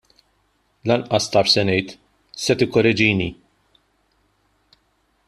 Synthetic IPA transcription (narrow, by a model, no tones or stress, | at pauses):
lɐnʔɐst̪ɐːʃsɛnɛjt̪ | sɛt̪ɪkːɔɾɛd͡ʒiːni